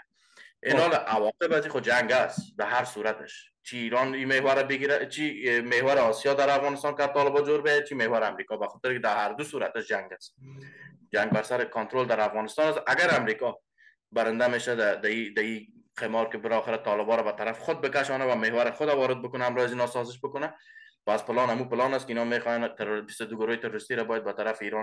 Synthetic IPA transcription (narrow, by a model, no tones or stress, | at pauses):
ɪnɔleʔawɒqebaziχod͡ʒaŋɡasd̪aɦaɾsuɾat̪ɪʃ | t͡ʃʰiːɾɔnimehwaɾabɪɡiɾat͡ʃʰimehwaɾɪɔsijɔd̪aɾafɣɔnɪst̪ɑnkat̪ːɔlɪbɔd͡ʒoɾbeat͡ʃʰimehwaɾɪamɾikɒbaxɔt̪ɪɾkɪd̪ahaɾd̪usuɾa̰t̪ɪʃd͡ʒaŋɡas | d͡ʒaŋɡ̚baɾsaɾɪkʊnt̪ɾold̪aɾafɣɔnɪst̪ɑnasaɡaɾamɾikɒ | baɾɪnd̪ameʃad̪ad̪aid̪ai | qʰemɔɾkɪbɪlɔxɪɾat̪ɔlɪbɔɾabat̪aɾafɪ̥xʊd̪̚bɪkaʃɔnawamehwaɾɪxʊd̪awɔɾɪd̪̚bʊkʊnaamɾɔazinɔsɔzɪʃ̬bʊkʊna | paspɪlɑnamupɪlɑnaskɪinɔmexɔjant̪ɾʊɾbist̪ʊd̪uɡʊɾojɪt̪ɪɾʊɾɪst̪iɾabɔjad̪bat̪aɾafɪiːɾɑ